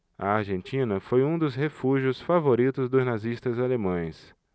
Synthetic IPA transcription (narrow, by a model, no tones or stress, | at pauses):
ɐ̰aɾʒẽnt͡ʃĩnɐfojũd̪ʊzhefuʒiʊsfavoɾit̪ʊzd̪ʊznaziʃt̪ɐzalemɐ̃j̃s